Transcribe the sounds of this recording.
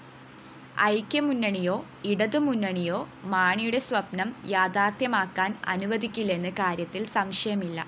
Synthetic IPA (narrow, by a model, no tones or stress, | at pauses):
ɐ̰jkʲːɐmunːɐɳijo̞ː | iɽɐðɨmunːɐɳijoːmaːɳijuɽe̞swʋɐpnɐmjaːd̪aːt̪jɐmaːkːaːnɐ̰nuʋɐd̪ʱikʲːilːe̞nːɨkaːɾjɐt̪ːilsɐmʂɐjɐmilːɐ̰